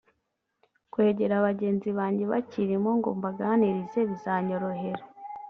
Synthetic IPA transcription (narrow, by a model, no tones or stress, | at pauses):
kwe̞ɟe̞ɾaβaɟe̞ːnziβaːɲɟe̞βa̰ciɾimoŋɡo̰ːmbaɡaniɾize̞βizaːɲo̞ɾo̞ɦe̞ɾo